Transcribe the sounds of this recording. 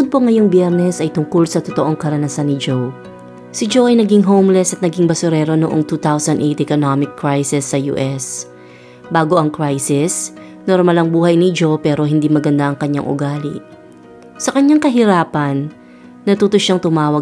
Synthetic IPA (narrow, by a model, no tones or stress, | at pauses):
ʊd̪̚poŋːɐjoŋbjɛɾnɛsʔɐjt̪ʊŋkolsɐt̪ot̪oʔo̞ŋkɐɾɐnɐsanːɪd͡ʒow | sɪd͡ʒowʔɐjnɐɡiŋɦowmlɛsɐt̪̚nɐɡiŋbɐsʊɾɛːɾo̞noʔoŋt̪uːt̪awsɐnd̪ʔejt̪ʔɛkonamɪkːɹajsɪsːɐjṵːʔɛs | baːɡo̞ʔɐŋkɹajsɪs | noɾmalɐŋbuːhɐjnɪd͡ʒo̞wpɛːɾo̞ɦɪnd̪imɐɡɐnd̪aʔɐŋkɐɲːa̰ŋʔʊ̰ɡaːlɪ̰ | sɐkɐɲːaŋkɐɦɪɾaːpɐnː | ɐt̪uːt̪oʃaŋt̪ʊmaːwɐɡ